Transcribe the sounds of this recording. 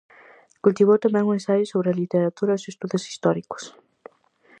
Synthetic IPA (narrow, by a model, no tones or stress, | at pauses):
kult̪iβ̞owt̪amɛ̃ŋuŋẽnsajɪsoβɾɪalit̪eɾat̪uɾɐosest̪uðʊsi̥st̪ɔɾikʊ̥s